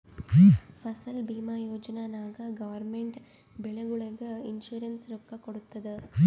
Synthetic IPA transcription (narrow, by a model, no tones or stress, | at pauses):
fɐsɐlbiːmaːjoːd͡ʒɐnaːnaːɣɐɡɐʋɐɾmɛɳʈ | bɛɭɐɣɯɭɐɣɯɪnʃuːɾɐnsɾɔkːɐkːɔɽɯt̪ːɐðɯ